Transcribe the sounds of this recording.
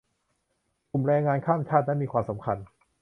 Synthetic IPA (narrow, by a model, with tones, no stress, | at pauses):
ku˨˩mɾɛː˧ŋːaː˧nkʰaː˥˩mt͡ɕʰaː˥˩t̪̚na˦˥miː˧kʰwaː˧msa˩˦mkʰa˧n